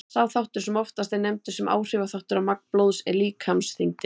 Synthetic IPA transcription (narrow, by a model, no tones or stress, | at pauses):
θawθawht̪ʏɾ̥sɛmɔft̪ast̪enɛmt̪ʏ̥sɛma̰ːwr̥ɪːvaθawht̪ʏɾamakplowðsɛ̰ɾliːkʰhamsθiŋt̪ɪ